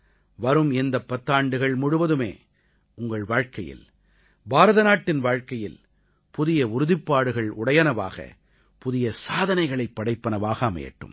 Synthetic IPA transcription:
ʋɐɾɯmɛnd̪ɐpːɐt̪ːaːɳɖɯɣɐɭmʊɽʊʋɐðɯmḛː | ʊŋɡɐɭʋaːɻkɐjɪ̰l | baːɾɐðɐnaːʈːɪnʋaːɻkɐjɪl | pʊðɪjɐʊɾʊðɪpːaːɽɯɣɐɭʊɽɐjɐnɐʋa̰ːɣɐ̰ | pʊðɪjɐsaːðɐnɐɪɣɐɭɐɪpːɐɽɐɪpːɐnɐʋaːɣɐmɐ̰jɐ̰ʈːɯ̰m

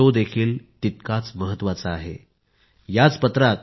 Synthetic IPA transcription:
od̪ekʰiːlt̪it̪̚kat͡sməɦət̪ːʋat͡saaɦe | jat͡spət̪ɾat̪

